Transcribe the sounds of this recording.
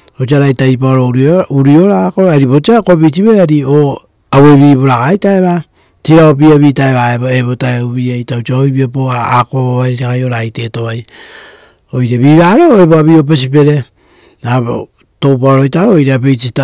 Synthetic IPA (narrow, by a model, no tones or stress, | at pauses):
ot͡ʃiaɾajtajp̬aoɾouɾiuɾio̞ɾakoɾaɾiβo̞t͡ʃiakopit͡ʃiβeaɾio | awe̞βiːβoɾakajtaeβa | tiɾaop̬iaβiːtaeβaeβoeβotaeuβiajtaot͡ʃiaojbiopoaakooβaɾiakajo̞ɾaːjte̞to̞βaj | o̞jɾaβiβaːɾo̞eβoaβio̞p̬esip̬e̞ɾe̞ | aβ | to̞wpaoɾojtaoojɾeap̬et͡ʃita